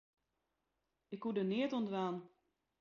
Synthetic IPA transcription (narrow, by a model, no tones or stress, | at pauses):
ɪkɦudənɪːətɔndʋaːn